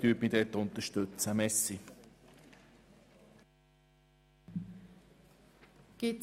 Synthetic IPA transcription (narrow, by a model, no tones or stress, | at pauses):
kyːpmid̪ɛt̪ʊnt̪əʃtɵt͡səmɛsi | ɡ̥ɪ